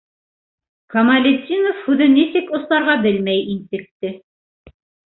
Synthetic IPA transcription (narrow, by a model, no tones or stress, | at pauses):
kɐmɐlʲet̪ʲːinofhʉðɘnisɘkŏθlˠɑɾʁɑbɘlmæjint̪ɘ̆k̚t̪ɘ